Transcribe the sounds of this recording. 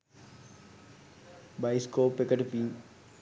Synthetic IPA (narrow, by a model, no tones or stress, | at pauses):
baːɪskoːpekəʈpiː